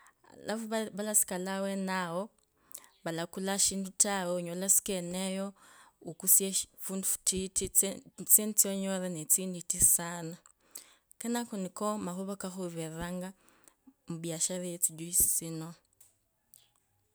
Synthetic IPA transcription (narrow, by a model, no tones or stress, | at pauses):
la̰ββalasi̥kalawenawo | βalakulaʃiːndutawoɲolasi̥kenejoukusefundufu̥tit | t͡sent͡sioɲoɾenet͡siːnditisana | kenakunikomaxoβokaxuβeraŋɡa | muβjaʃaɾijet͡siɟuisi̥t͡sino